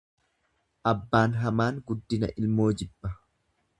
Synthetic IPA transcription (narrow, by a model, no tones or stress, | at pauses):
ʔɐbːaːnɦɐmaːŋɡʊd̪ːɪnɐ̰ʔɪlmo̞ːd͡ʒɪbːɐ